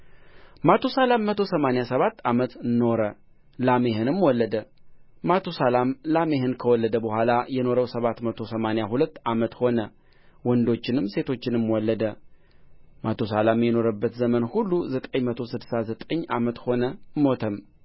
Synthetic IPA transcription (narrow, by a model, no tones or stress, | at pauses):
mat̪ʰosalamːət̪ʰosəmanjasəβat̪ːamət̪no̞ɾə | lame̞hɨnɨmwɔlːəd̪ə | mat̪ʰosalamlame̞hɨnkʰəwɔlːəd̪əbəhʷalajɛno̞ɾəwsəβat̪mət̪ʰo̞səmanjaɦulət̪ːamət̪ho̞nə | wɔnd̪o̞t͡ʃːɪnɨmse̞t̪ʰo̞t͡ʃːɪnɨmwɔlːəd̪ə | mat̪ʰosalamjɛno̞ɾəbːət̪zəmənhulːuzət̪ʼəɲmət̪ʰo̞sɨd̪sazət̪ʼəɲːa̰mət̪ho̞nəmo̞t̪ʰəm